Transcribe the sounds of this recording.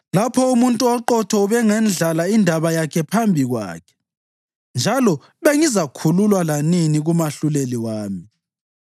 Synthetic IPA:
lapʰɔumuntʼuɔǃɔtʰɔuβɛŋɛnɮalaindʱaβajakʰɛpʰambʱiɣwa̰ːkʰɛ̥ | nd͡ʒʱalɔ | βeŋizakʰululwalaniniɣumaɬuleliwaːmi

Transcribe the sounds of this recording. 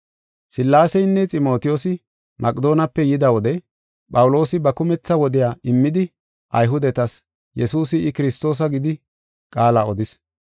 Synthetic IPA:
sɪlːaːsɛjnːɛt͡sʼɪmo̞ːt̪ɪjoːsɪ | mʔɐkʼd̪o̞ːnɐpːɛjɪd̪ɐwɔd̪ɛ | pʼɐwʊlo̞ːsɪbɐkʊmɛt͡sːɐwɔd̪ɪjaːʔɪmːɪd̪ɪ | ʔɐjɦʊd̪ɛt̪ɐs | jɛsuːsɪɪkɪɾɪst̪ːo̞ːs̬ɐɡɪd̪ɪ | kʼaːlaɔd̪ɪs

